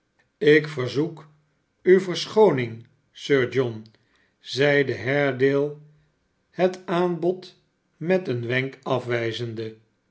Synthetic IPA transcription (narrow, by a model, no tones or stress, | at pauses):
ɪkfəɹzuk | ywvəɹsχownɪŋ | søːɹd͡ʒɔn | zɛjdəɦɛɹdeːlˠ | hətaːnbɔt | mɛtənʋɛŋkɑfʋɛjzəndə